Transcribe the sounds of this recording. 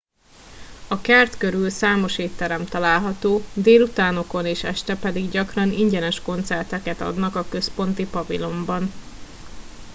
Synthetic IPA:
ɒkɛrt̪køɾylsaːmo̞ʃeːt̪ːɛɾɛmt̪ɒlaːlɦɒt̪oːd̪eːlut̪aːno̞ko̞neːʃɛ̰ʃt̪ɛpɛd̪iɡɟɒkrɒniɲɟɛnɛʃko̞n̪t̪sɛrt̪ɛkɛt̪ɒ̰d̪nɒkɒkø̞spo̞nt̪ipɒvḭlo̞mbɒn

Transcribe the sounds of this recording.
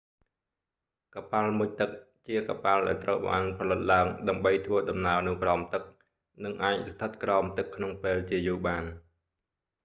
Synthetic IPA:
kapalmuc̚t̪ɨk̚ | t͡ɕiəkapalɗa̰ɛlt̪rəwɓa̰ːnpʰɑlɨt̪̚laəŋɗaəmɓəjt̪ʰʋəəɗɑmnaənɨ̆wkraɔmt̪ɨk̚ | nɨŋʔaːc̚st̪ʰɨt̪̚kraɔmt̪ɨkʰːnoŋpeːlt͡ɕiəjuːɓaːn

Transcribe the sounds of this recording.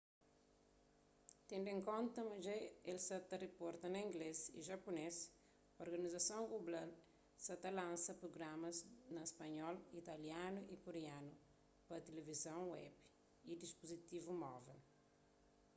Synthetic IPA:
t̪ẽnd̪ẽŋkõnt̪ɐmɐʒejelsɐt̪ɐrepɔɾt̪ɐnɐĩŋɡlezḭʒɐpunes | oɾɡɐnizɐsõŋɡublal | sɐt̪ɐlãnsɐpɾoɡɾamɐznɐespɐɲɔlit̪ɐljanuʔikoɾeanu | pɐt̪elevizɐ̃w̃wɛ̰b | id̪ispuzit̪ivumɔvel

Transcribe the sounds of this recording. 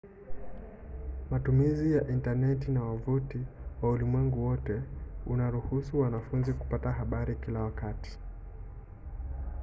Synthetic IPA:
matumizijaʔintanɛtinawavutiwaulimwɛŋɡuwɔtɛunaɾuhusuwanafunziku̥pataɦaɓaɾikilawakati̥

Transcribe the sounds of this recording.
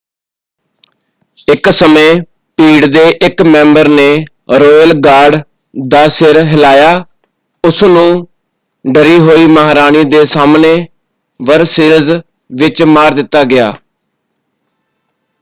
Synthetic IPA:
ɪksəmẽː | piːɽd̪eːʔɪkmɛ̃ːmbəɾneː | ɾoːlɡaːɾɖ | d̪aːsɪɾɦɪlaːjaː | ʊsnũː | ɖəɾiːɦoːiːməɦːɾaːniːd̪eːsaːmneː | ʋəɾsɪɾz | ʋɪt͡ʃmaːɾd̪ɪt̪ːaːɡɪja̰ː

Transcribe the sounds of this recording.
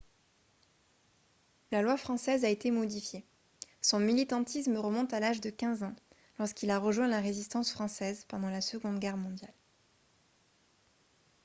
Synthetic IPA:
lalwafχɑ̃sɛzaet̪emɔd̪ifje | sɔ̃milit̪ɑ̃t̪ʰismʁəmɔ̃t̪alaʒd̪əkʲɛ̃zɑ̃ | lɔʁskilaʁəʒwɛ̃laʁezist̪ɑ̃sfχɑ̃sɛzpɑ̃d̪ɑ̃lasəɡɔ̃d̪ɡʲɛʁmɔ̃d̪jal

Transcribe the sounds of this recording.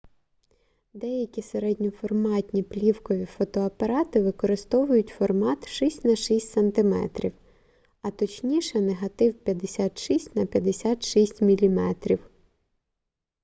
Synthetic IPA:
d̪ɛjɐkʲiseɾɛdʲnʲɔfɔrmɑtʲnʲiplʲiwkɔʋʲifɔt̪ɔɐpɐɾɑt̪ɪʋɪkɔɾɪst̪ɔʋʊjʊtʲfɔrmɑt̪ʃisʲtʲnɐʃisʲtʲsɐnt̪ɪmɛ̰t̪ɾʲḭw | ɐt̪ɔt͡ʃnʲiʃɛneɦɐt̪ɪwpʲjɐd̪esʲɑt̪ʃisʲtʲnɐpʲjɐd̪esʲɑt̪ʃisʲtʲmʲilʲimɛt̪ɾʲiw

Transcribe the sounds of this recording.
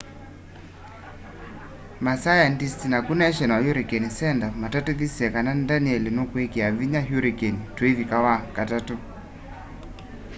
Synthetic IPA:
masajandistinakunaɛʃɛnwajuɾikɛnisɛndamatatuðisiɛkananndaniɛlenokwekiaviɲaɦuɾikɛnitwevikawakatatu

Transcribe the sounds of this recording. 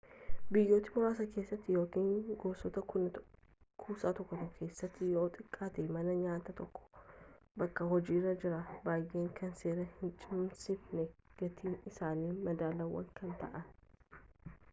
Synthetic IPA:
bɪjːo̞ːt̪ːɪmʊɾaːsɐke̞ːsːɐt̪ːɪjoːkiːŋɡoːsɔt̪ɐʊn | kʰuːsaːt̪ɔkːɔt̪ɐkʰe̞ːsːɐt̪ːɪjo̞ːt̪ʼɪkʼːaːt̪ɛmɐnɐɲaːt̪ɐt̪ɔkːɔ̥ | bɐkːɐɦɔd͡ʒiːrːɐd͡ʒɪɾɐbaːjʔeːŋkʰɐnse̞ːɾɐhɪnt͡ʃʼɪmmsɪfnɛɡ̥ɐt̪ʰiːnɪsaːniːmɐd̪aːlɐwɐ̰ŋkʰɐnt̪ɐ̰ʔɐn

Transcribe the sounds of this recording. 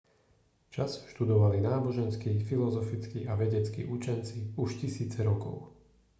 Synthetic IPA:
t͡ʃasʃt̪ud̪ɔʋalinaːbɔʒɛnskifilɔzɔfit͡skiaʋɛɟɛt͡skḭʔut͡ʃɛnt͡siuʃcisiːt͡sɛɾɔkɔ̰ʊ

